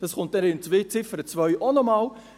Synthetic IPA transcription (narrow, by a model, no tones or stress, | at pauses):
d̥ɑsχʊnt̚ɛɾɪnt͡svɪt͡sɪfəɾət͡svœjʔɔnɔmɑl